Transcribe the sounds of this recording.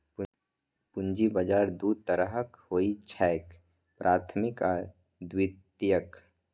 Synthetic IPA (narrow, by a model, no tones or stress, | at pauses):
pʊnd͡ʒibəd͡ʒaːɾd̪uːd̪̚t̪əɾəɦəkhoːit͡ʃʰɛːk | pɾʔaːt̪ʰmɪka | d̪wɪt̪jək